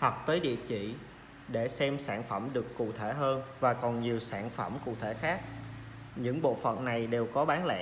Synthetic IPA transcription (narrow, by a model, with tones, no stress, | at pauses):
hwa˨˩t̚t̪əː˨˦jɗḭ˧˨ət͡ɕḭ˧˨ | ɗe˧˩sɛ˧msaː˧˩nfə˧˩mɗɨ˨˩əkːṵ˧˨t̪ʰe˧˩ɦəː˧nvaː˨˩kɔ˨˩nɲi˨˩əwsaː˧˩nfə˧˩mkṵ˧˨t̪ʰe˧˩xaː˦˥k̚ | ɲɨ̰˧˥ŋɓo̰˧˨fə̰˧˨nna˨˩jɗe˨˩wkɔ˨˦ɓaː˨˦nlɛ̰˧˥